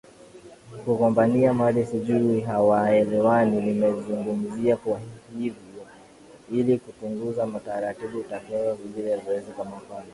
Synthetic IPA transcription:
kukɔmbaniamalisiʄuɾiɦawaɛlɛwaninimɛzuŋɡum̩ziakwahivjɔ | ilikupuŋɡuzamataɾatiɓutakɛaviɡiɾɛjavuwɛzɔkwamafala

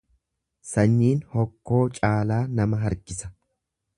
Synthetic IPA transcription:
sɐɲːiːnhɔkːo̞ːt͡ʃʼaːlaːnɐmɐɦɐɾɡɪsɐ̥

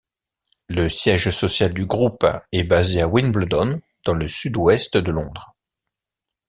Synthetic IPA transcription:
ləsjɛʒsɔsjald̪yɡʁupɛbazeawinbld̪ɔn | d̪̥ɑ̃ləsyd̪wɛst̪d̪əlɔ̃d̪ʁ

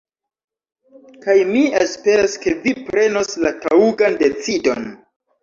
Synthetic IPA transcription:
kajmiespe̞ɾaske̞vipɾe̞no̞slatauɡande̞t͡sido̞̰n

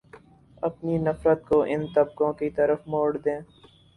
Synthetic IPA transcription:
ɐpninɐfɾət̪̚koʔɪnt̪ɐbkõkit̪ɐɾəfmoːɽd̪ẽː

